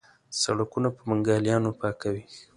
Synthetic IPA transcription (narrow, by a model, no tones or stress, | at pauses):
sa̰ɽakunapəmaŋɡɑljɑnopɑkawi